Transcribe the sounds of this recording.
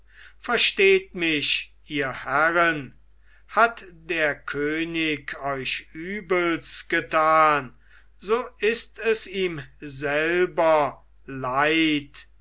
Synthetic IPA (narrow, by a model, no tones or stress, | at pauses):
fɛɐʃteːtmɪʃʔiːɐhæʁən | hatdeːɐkʰøːnɪkʰɔʏʃʔyːbəlsɡ̥ətaːn | zoːɪstɛsiːmzɛlbɐ | laɪt